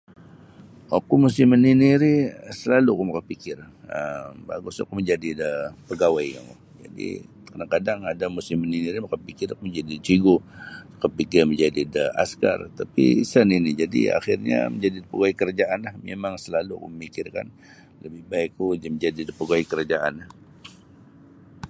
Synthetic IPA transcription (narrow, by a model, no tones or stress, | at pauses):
akumusɪməniniɾisəlalukumakanpikɪrəmba̰ɡusa̰kuməɲd͡ʒadidəpəɡawajkaŋṵ | d͡ʒa̰dḭ | kadaŋkadaŋadamusɪməniniɾimakanpikɪrakuməɲd͡ʒadit͡ʃiɡosu̥kapikɪrməɲd͡ʒadidəa̰ska̰rt̪apḭsəninid͡ʒadḭa̰xɪrɲa̰məɲd͡ʒadidəpəɡaaikəɾad͡ʒaʔanlahmemaŋsəlalukṵməmikɪrka̰n | ləbɪhbaɪkːud͡ʒməɲd͡ʒadidəpəɡawikəɾad͡ʒaʔanah